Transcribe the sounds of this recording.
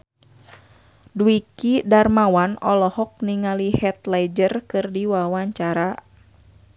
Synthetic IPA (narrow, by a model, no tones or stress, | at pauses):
duikidarmawanɔlɔhɔk̚niŋalihɛt̪lajd͡ʒərkɨrdiwawaɲt͡ʃaɾa